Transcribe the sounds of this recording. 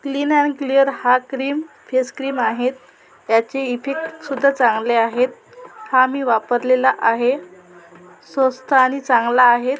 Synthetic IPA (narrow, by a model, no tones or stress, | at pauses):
kliːnɛnklijəɾhakɾiːm | feskɾiːmaɦet̪ | jat͡ɕeifʰek̚ʈsud̪ʱːat͡sãŋɡleaɦet̪̚ | haːmiːʋapəɾlelaʔaɦe | sə̃st̪ʰaːñit͡sãŋɡlaːɦet̪